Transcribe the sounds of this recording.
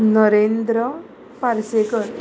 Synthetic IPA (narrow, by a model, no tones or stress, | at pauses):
nɔɾend̪ɾɔ | paɾsekəɾ